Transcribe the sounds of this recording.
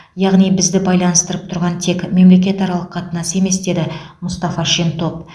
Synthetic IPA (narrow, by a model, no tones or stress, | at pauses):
jɑʁnijbɪzd̪ɪbɑjlˠɑnəst̪əɾəp̚t̪ʰʊɾʁɑnt̪ʰe̞kme̞mle̞kʲe̞t̪ɑɾɑlˠəqːʰɑt̪ənɑse̞me̞sd̪e̞d̪ɪmʊst̪ɑfɑʃint̪ʰo̞p̚